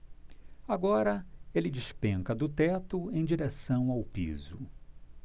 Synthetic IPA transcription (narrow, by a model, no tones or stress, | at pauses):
aɡɔɾɐelɪd͡ʒɪʃpẽŋkɐd̪ʊt̪ɛt̪ʊẽj̃d͡ʒiɾesɐ̃w̃awpḭzʊ